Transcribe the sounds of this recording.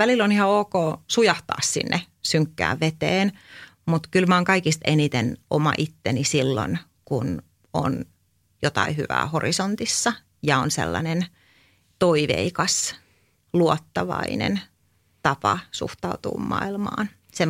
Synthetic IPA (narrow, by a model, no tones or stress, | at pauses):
ʋælilonihɑoːkoːsujɑht̪ɑ̰ːssḭnːʔe | syŋkːæ̰ːʋʋet̪eːn | mut̪kylmæoːŋkɑikist̪enit̪enʔomɑ̰ʔit̪ːenisilːo̰n | kun | o̰n | jot̪ɑihy̰ʋæ̰ːhorisont̪isːɑ | jɑonsḛlːɑ̰nen | t̪oiʋḛikɑs | luɔt̪ːɑʋɑḭnḛn | t̪ɑpɑsṵht̪ɑut̪ṵːmmɑ̰ilmɑ̰ːn | se